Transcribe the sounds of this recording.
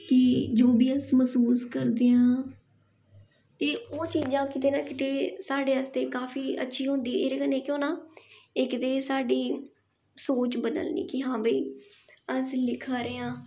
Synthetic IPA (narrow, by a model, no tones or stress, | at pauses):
keːd͡ʒoːbiːəsməsuːskəɾd̪eːãː | t̪eːoːt͡ʃiːd͡ʒãːkɪt̪eːnãːkɪt̪eːsaːɖeːəst̪eːkaːfʰiːə̰tːʃʰiːɦʊ̃nd̪iːʔeɾekəneːkjõːnãːɪkt̪eːsaːɖiː | soːt͡ʃbəd̪ə̰lnḭːkɪɦãːbəiːəslɪkʰaːɾeːãː